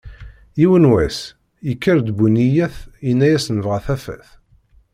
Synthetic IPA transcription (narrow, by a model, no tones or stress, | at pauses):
jiwənwæs | jəkːəɾd̪bunijæθinːæjæsnəvʁæθæfæ̰θ